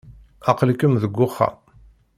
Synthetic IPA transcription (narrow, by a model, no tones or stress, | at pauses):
ɑqəlkəmðəɡʷːʊχːa̰